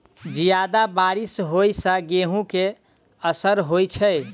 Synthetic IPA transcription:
d͡ʒijad̪abaɾisɦojsə̃ɡeɦũke | əsəɾɦojt͡ʃʰəj

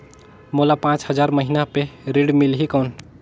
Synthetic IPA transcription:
molapãt͡ʃɦəd͡ʒaɾməɦinapeɾeɽmilɦikəwn

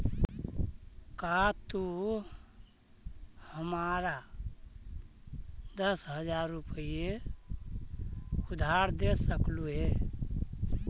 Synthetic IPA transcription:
kat̪u | həmaɾa | d̪əsɦəd͡ʒaɾːupije | ud̪ʱaɾd̪esəkluɦe

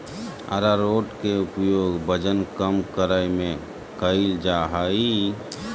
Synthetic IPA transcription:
ə̰ɾaɾoːʈkeʊpjoːɡbəd͡ʒənkəmkəɾəjmẽ | kəild͡ʒaːɦaːi

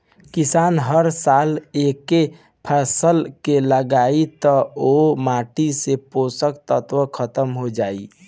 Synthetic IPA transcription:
kisaːnɦəɾsaːleke | pʰasəlkeləɡait̪ɔomaːʈiseposəkt̪ət̪ʋəkʰət̪əmɦod͡ʒaːḭ

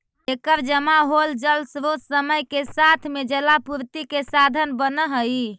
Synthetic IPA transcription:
ekəɾd͡ʒəmaɦold͡ʒəlsɾotsəməjkesat̪ʰmed͡ʒelapuɾt̪ikesad̪ʱənbənəɦəj

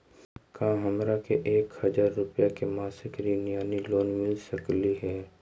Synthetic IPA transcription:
kãːɦɐmɾakeʔeːkhɐd͡ʒaːɾːʊpjakemaːsɪkɾinijaːniloːnmɪlsəkliɦɛː

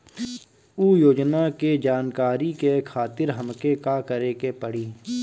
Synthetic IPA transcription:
uːjoːd͡ʒnaked͡ʒaːnkaːɾikekʰaːt̪ɪɾɦɐmkekakəɾekepəɽ̤iː

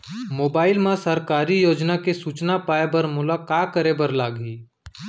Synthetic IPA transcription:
moːbaːɪlmãsəɾkaːɾijoːd͡ʒnakesuːt͡ʃnapaːebəɾmʊlakaːkəɾebəɾlaːɡɦiː

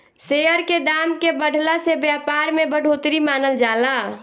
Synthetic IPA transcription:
seəɾked̪amkebəɽ̤ʱlasebjapaɾmebəɽʱot̪ɾimanəld͡ʒala

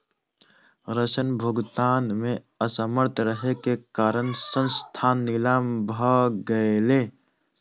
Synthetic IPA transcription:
ɾəsənbʱʊɡt̪aːnmẽ | əsəməɾt̪ʰɾəɦekekaːɾənsə̃nst̪ʰaːnːɪlaːmbʱaɡəeleː

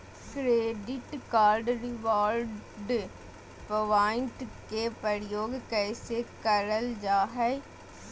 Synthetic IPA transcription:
kɾeːɖɪʈkaːɾɖɾɪʋaːɾɖ | pəʋaːɪ̃ɳʈkepəɾjoːɡkɛːsekəɾəld͡ʒaːɦɛ

